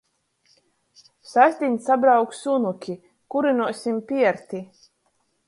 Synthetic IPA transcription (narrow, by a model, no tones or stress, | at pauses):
sasʲt̪ʲiɲsabɾawksunukʲi | kuɾinuɔsʲimpʲiɛɾt̪ʲi